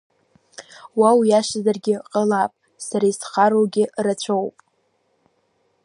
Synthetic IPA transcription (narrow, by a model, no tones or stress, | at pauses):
wawjaʃazarɡʲɪqʼəlapʼ | saɾaisχaɾoɡʲɪrat͡ɕʷʰowpʼ